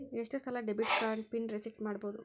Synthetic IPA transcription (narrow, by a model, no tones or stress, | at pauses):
eʂʈɐst̪ɐlaɖebiʈskaːɳɖpiɳɾesik̚ʈmaːɽboːd̪u